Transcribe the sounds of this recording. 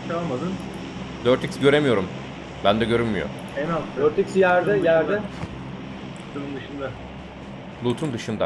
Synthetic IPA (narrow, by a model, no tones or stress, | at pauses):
t͡ʃʰalˠmad̪ɯn | d̪øɾt̪icsɟø̞ɾe̞mijo̞ɾum | bænd̪ɛɟø̞ɾynmyjo̰ | enaøɾt̪icsjæɾd̪ɛjæɾd̪ɛ | ut̪ʰunund̪ɯʃɯnd̪a | lˠut̪ʰund̪ɯʃɯnd̪a